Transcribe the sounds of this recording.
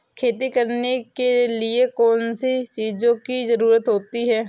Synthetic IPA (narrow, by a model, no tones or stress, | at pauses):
kʰeːt̪ikɐɾnekeliekɔːnsit͡ʃiːzõkizɐɾuːɾət̪ɦoːt̪iɦɛː